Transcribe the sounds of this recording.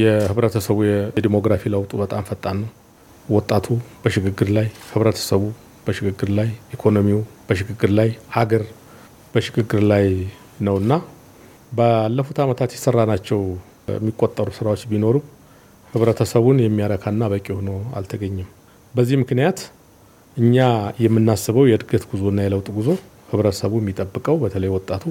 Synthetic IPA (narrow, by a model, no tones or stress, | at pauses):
jɛhɨβɾət̪ʰəsəβujɛd̪imo̞ɡɾafiləwt̪ʼubət̪ʼamfət̪ʼːanːəw | wɔt̪ʼːat̪ʰub̥əʃɪɡɨɡːɨɾlajhɨβɾət̪ʰə̥səβu | b̥əʃɪɡɨɡːɨɾlajʔikʰo̞no̞miub̥əʃɪɡɨɡɨɾlajhaɡəɾ | b̥əʃɪɡɨɡːɨɾlaj | nəwɨnːa | bəalːəfut̪ʰamət̪ʰat̪jɛsərːanat͡ʃːɛw | jɛ̰mːikʼot̪ʼːəɾusɨɾawot͡ʃːbino̞ɾu | hɨβɾət̪ʰəsəβunjɛmːijaɾəkʰanːaβəkʼihono̞a̰lt̪ʰəɡəɲːɛm | bəzːihmɨknijat̪ | ʔɨɲːajɛmːɨnːasːβəwjɛɨd̪ɡət̪ɡuzo̞nːajɛləwt̪ʼɡuzo̞ | hɨβɾət̪ʰə̥səβujɛmːit̪ʼəbːɨkʼəwbət̪ʰələjwɔt̪ʼːat̪ʰu